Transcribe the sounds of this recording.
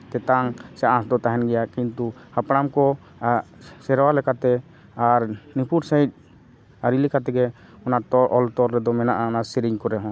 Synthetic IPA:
t̪ɛt̪aŋsɛʔãsd̪ɔt̪aɦɛnɡɛjakint̪uhapɽamkɔ | sɛɾwalɛkat̪ɛ | aɾnipuʈsait̪̚ | aɾilikat̪ɛɡɛ | ɔnat̪ɔʔɔlt̪ɔɾɾɛd̪ɔmɛnaʔaɔnasiɾiɲkɔɾɛɦɔ̃

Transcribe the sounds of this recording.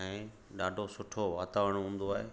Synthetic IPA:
ɦẽ | ɗaːɖʱosʊʈʰoʋaːt̪aːʋəɽ̃ɦũːn̆d̪oaːɦeː

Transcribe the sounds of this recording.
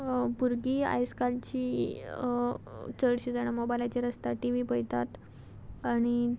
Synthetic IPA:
puɾɡiːa̰jskalt͡ɕiː | t͡səɽɕid͡zaɽ̃əmobajlat͡ɕaɾəst̪aʈiʋipəjt̪at̪ | aɽ̃i

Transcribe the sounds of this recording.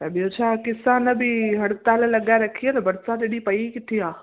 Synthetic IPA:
t̪ɐbijot͡ʃʰakɪsanɐbʱiɦɐɽt̪alɛlɐɡaeɾɐkʰienɐbɐɾsaːd̪ɪɽipɐikɪt̪ʰiɦãː

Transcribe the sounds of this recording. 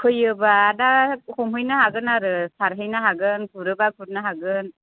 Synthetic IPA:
kʰɯjɯbaːdahɔmɦɯjnaɦaɡɯnaɾɯsaɾɦɯjnaɦaɡɯnkʰuɾɯbakʰuɾ̚naɦaɡɯn

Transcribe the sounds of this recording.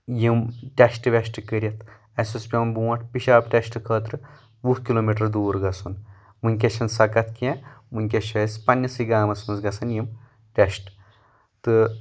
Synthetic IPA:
jimʈʲɐsʈɨʋʲeʃʈɨkəɾʲjɐt̪ʰ | ɐsuspʲɐnbuːɐʈʰpiʃaːbʈʲɐsʈɨkʰəːt̪ɾɨ | ʋuhkiloːmiʈɐɾd̪uːɾɡɐsun | munʲk̬ʲɐʃɐnsɐkɐt̪ʰkɛ̃mɨnʲkʲɐʃɐspɐnʲːɐsiɡaːmɐsmɐnsɡɐsʰɐnjim | ʈʲɐʃʈ | t̪ɨ

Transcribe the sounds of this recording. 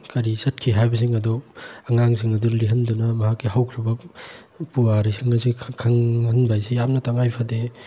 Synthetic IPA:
kɐɾisɐt̚kʰiɦajbɐs̬iŋɐduɐŋaŋsiŋɐduliɦɐndunɐmɐɦakːihawkʰɾibɐ | puaɾisiŋɐzikʰɐŋhɐnbajsejamnɐtaŋajpʰade

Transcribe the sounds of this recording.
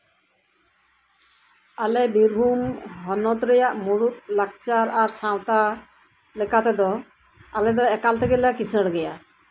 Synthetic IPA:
alɛbiɾbʱumɦɔnɔt̪ɾɛjaʔmuɾut̪̚lak̚t͡ʃaɾaɾsãwt̪a | lɛkat̪ɛd̪ɔ | alɛd̪ɔɛkalt̪ʰɛkɛlakisəɽɡɛja

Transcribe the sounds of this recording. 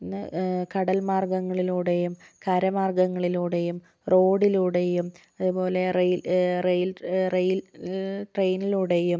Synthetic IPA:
nːɨkɐɽɐlmaːrɡɐŋːɐɭiluːɽe̞jumkɐɾɐmaːrɡɐŋːɐɭiluːɽe̞jum | ro̞ːɽiluːɽe̞jum | ɐðubo̞ːle̞rejrejlrejlʈrejniluːɽejum

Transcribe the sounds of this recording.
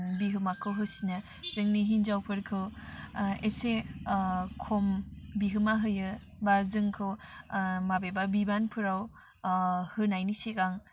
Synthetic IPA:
biɦɯmakʰːɯwɦɯsina | z̥ɯŋniɦinzawpʰɯɾkʰɯw | ese | kʰombiɦɯmaɦɯjɯ | bazɯŋkʰɯw | mabebabibanpʰɯɾaw | hɯnajnisekaŋ

